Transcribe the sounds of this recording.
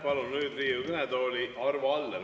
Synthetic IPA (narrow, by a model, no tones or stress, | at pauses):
pɑlunnyːd̪riːukɯnɛd̪oːlʲiʔɑrvoɑlːe